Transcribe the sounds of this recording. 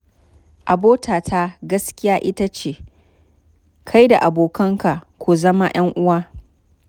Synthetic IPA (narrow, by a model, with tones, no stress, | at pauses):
ʔa˨boː˦tʰaː˨tʰa˦ɡɐ˦skʲɪ˦jaː˦ʔɪ˦ta˦t͡ʃeː˨ | kʰa˦jda˨ʔa˨boː˨kɐ˦ŋka˨kʷu˨zɐ˦ma˦j̰ɐ˦ŋʔʊ˦waː˦